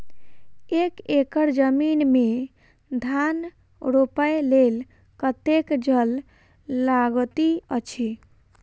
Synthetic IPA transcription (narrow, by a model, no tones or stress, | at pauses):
ekekəɾd͡ʒəminme | d̪ʱan | ɾopəelel | kət̪ekd͡ʒəlː | aɡt̪iət͡ʃʰi